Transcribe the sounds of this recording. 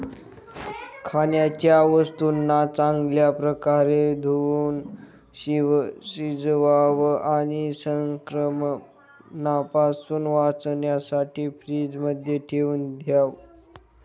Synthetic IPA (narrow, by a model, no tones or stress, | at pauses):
kʰanjat͡ɕjaʋəst̪unːat͡saŋɡljapɾəkaɾed̪ʱuuːn | ɕiʋɕid͡zʋaʋaɽ̃isəŋkɾəm | napasuːnʋat͡snjasaʈʰiːfɾiːd͡zməd̪ʱjeʈʰeuːnd̪ʱjaʋ